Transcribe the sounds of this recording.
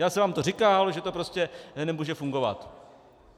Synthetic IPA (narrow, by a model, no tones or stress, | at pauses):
jaːsɛvaːmt̪orɪkaːlʒɛt̪o̞pɾo̞scɛnɛmuːʒɛfuŋɡo̞va̰t̪